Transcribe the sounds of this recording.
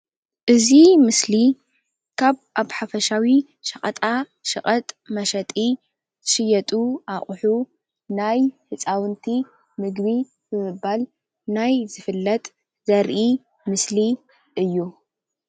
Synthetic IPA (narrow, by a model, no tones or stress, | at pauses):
ʔɨzimɨsli | kʰaβʔaβħafɐʃawi | ʃɐχʼɐt̪ʼa | ʃɨχʼɐt̪ʼmɐʃɐt̪ʼi | z̥ʰɨʃɨjɐt̪ʼuʔaχʼħu | najhɨt͡sʼawɨnt̪ʰi | mɨɡbi | b̥ɨmɨbːal | najzɨfɨlːɐt̪ʼ | zɐɾʔi | mɨsli | ʔɨjːu